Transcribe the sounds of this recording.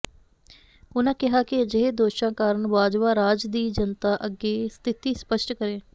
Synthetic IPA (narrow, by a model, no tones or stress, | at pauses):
ʊnãːkɪɦaːkɪəd͡ʒeɦed̪oːʃãːkaːɾəɳʋaːd͡ʒʋaːɾaːd͡ʒd̪iːd͡ʒənt̪aːʔəɡeːst̪ʰɪt̪iːspəʃʈkəɾẽː